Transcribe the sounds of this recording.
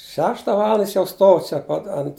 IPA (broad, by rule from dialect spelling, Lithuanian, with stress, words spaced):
ˈʃʲæːʃtɐ ˈʋɑːlˠɐndɐ ˈjɪs jɛʊ ˈstoːw t͡ʃʲɛ ˈpɐt ɐnt